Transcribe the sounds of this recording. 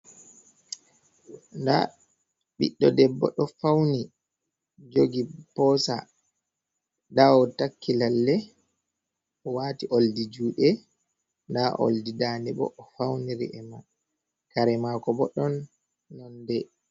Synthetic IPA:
nda̰ | ɓḭɗːɔdɛbːɔ̰ɗɔfawni | d͡ʒoɡipɔsa̰ | dawɔtakːilalːɛ | ɔwaːtiʔoldid͡ʒuːɗɛ | ndaʔo̰ldidaːnɛɓɔ̰ʔːfawniɾḭʔɛma | kaɾɛmakɔbɔɗɔnː | ɔndɛ

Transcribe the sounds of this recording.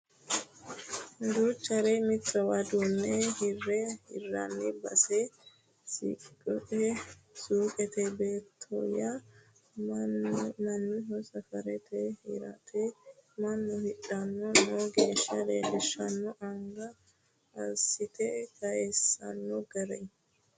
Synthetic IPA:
d̪ut͡ʃːɐɾɛmɪt̪ːɾɐwɐd̪uːnːɛhɪrːɛhɪ̰rːɐ̰nːɪbɐsɛ | sḭkʼɔᶑɛ | suːkʼɛt̪ɛbe̞ːt̪ʰːɔ̰ja | mɐnːɪɦɔsɐfɐɾɛt̪ɛhɪɾɐ̰t̪ʰɛmɐnːɔhɪᶑːɐnːɔnɔɡe̞ːʃːɐɾeːd̪ɛʃːɐnːɔʔɐŋɡɐ | ɐ̰sɪt̪ɛkɐjesɐ̰nːɔɡɐɾɛ

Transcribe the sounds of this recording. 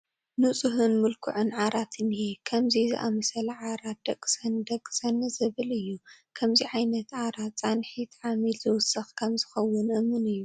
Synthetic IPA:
nɨt͡sʼɨɦɨnmɨlkʰʊʕɨnʕaɾat̪ʰɨnhekʰɐmzizɨ̰ʔamɐsɐlɐʕaɾat̪̚d̪ɐkʼsɐnd̪ɐkʼːɨ̥sɐnɨzɨβɨlɨjːukʰɐmziʕajnɐt̪ʕaɾat͡sʼanħit̪ʰʕamilzɨwʊsɐxkʰɐmzɨxɐwːʊnʔɨmːɨnɨjːu

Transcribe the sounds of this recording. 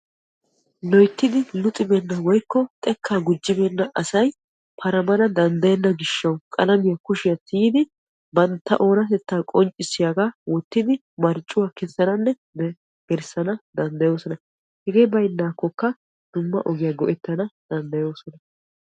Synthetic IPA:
lɔjt̪ːɪd̪ɪlʊt̪ʼɪbɛnːɐwɔjkːɔt̪ʼɛkʰːaːɡʊd͡ʒːɪbɛnːɐʔɐsɐj | pʰɐɾɐmɐnɐd̪ɐnd̪ɐjɐnːɐɡɪʃːɐwkʼɐlɐmɪjɐkʊʃɪjɐt̪iːd̪ɪ | bɐnt̪ːɐ̰ʔo̞ːnɐt̪ɛt̪ːaːkʼɔnt͡ʃʼːɪsːɪjaɡaːwɔt̪ːɪd̪ɪ | mɐɾt͡ʃʼːʊwaːkɛsːɐnɐnːɛ | bɛ | ɡ̥ɛɾsɐnɐd̪ɐnd̪ɐjo̞ːsɔnɐ | hɛɡeːbɐjnːaːkːɔkːɐ | d̪̥ʊmːɐ̰ʔɔɡɪjɐɡɔʔɛt̪ːɐnɐd̪̥ɐnd̪ɐjo̞ːsɔnɐ

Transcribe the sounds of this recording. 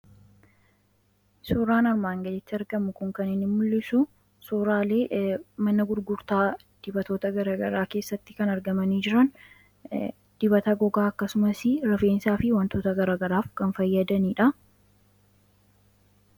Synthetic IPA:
suːɾaːnɐɾmaːŋɡɐlɪt̪ːɪɐɾɡɐmʊkʊŋkɐnɪnɪmmʊlːɪsʊ | suːɾaːle̞ːmɐnɐɡʊɾɡʊɾt̪aː | d̪̥ɪbɐt̪o̞ːt̪ɐɡɐɾaːɡɐ̰ɾaːke̞ːsːɐt̪ːɪ̥kɐnɐɾɡɐmɐniːd͡ʒɪɾɐn | d̪̥ɪbɐt̪ɐɡɔɡaːɐkːɐsʊmɐsɪɾɐfe̞ːnsaːfɪwɐnt̪o̞ːt̪ɐɡɐɾaːɡɐɾaːfkɐnfɐjːɐd̪ɐniːᶑɐ

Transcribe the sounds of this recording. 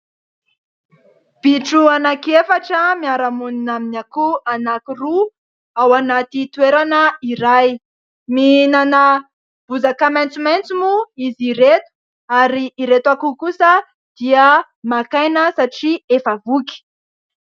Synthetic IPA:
b̥iʈ͡ʂuanakefaʈ͡ʂəmiaɾamuninaminakuanakiru | awanat̪it̪weɾanəiɾaj | minanə | b̥uzakamajnt͡sumajnt͡sumuiziɾet̪u̥ | aɾiːɾet̪akukusə | d̪̥iə | makajnəsaʈ͡ʂiefəvuki̥

